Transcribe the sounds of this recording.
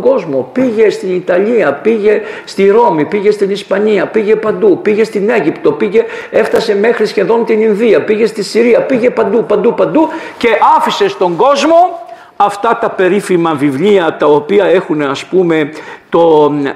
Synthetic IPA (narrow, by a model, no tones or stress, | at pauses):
ɡo̞zmo̞piʝe̞st̪init̪ɐʎiɐpiʝe̞st̪iɾo̞mipiʝe̞st̪inispɐɲiɐpiʝe̞pɐnd̪upiʝe̞st̪ine̞ʝipt̪o̞piʝe̞e̞ft̪ɐse̞me̞xɾisçe̞ðo̞nt̪ininðiɐpiʝe̞st̪isiɾiɐpiʝe̞pɐnd̪upɐnd̪upɐnd̪uce̞ʔɐfise̞st̪o̞ŋɡo̞zmo̞ | ɐft̪ɐt̪ɐpe̞ɾifimɐvivliɐt̪ɐopiɐe̞xuneɐspume̞t̪o̞